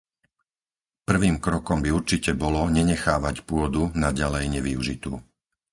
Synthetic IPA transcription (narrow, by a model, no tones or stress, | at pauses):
pr̩ʋiːmkɾɔkɔmbiuɾt͡ʃicɛbɔlɔɲɛɲɛxaːʋacpʊɔd̪unaɟalɛjɲɛʋiuʒit̪uː